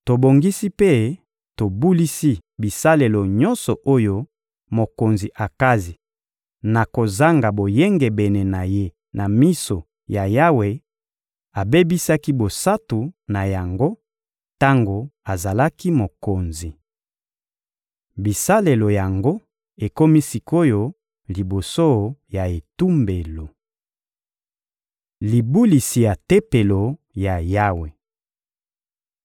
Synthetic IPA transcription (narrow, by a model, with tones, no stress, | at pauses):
to˨bo˨ŋɡi˦si˦pe˦ | to˨bu˦li˦si˦bi˨sa˦le˨lo˨ɲɔ˦nsɔ˨ʔo˦jo˦ | mo˨ko˨nzi˨ʔa˨ka˦zi˨ | na˨ko˨za˦ŋɡa˨bo˨je˦ŋɡe˨bɛ˨ne˨na˨je˦ | na˨mi˦so˨ | ja˨ja˦we˨ | a˨be˦bi˦sa˦ki˦bo˨sa˦tu˨na˨ja˨ŋɡo˦ | ta˦ŋɡo˨a˨za˨la˦ki˦mo˨ko˨nzi˨ | bi˨sa˦le˨lo˨ja˨ŋɡo˦ | e˨ko˦mi˦si˨ko˦jo˦ | li˨bo˨so˦ja˨e˨tu˦mbe˨lo˨ | li˨bu˦li˨si˨ja˨te˦pe˨lo˨ | ja˨ja˦we˨